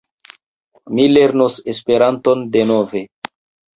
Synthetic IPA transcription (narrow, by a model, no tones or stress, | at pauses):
mile̞ɾnuse̞spe̞ɾanto̞nde̞no̞ve̞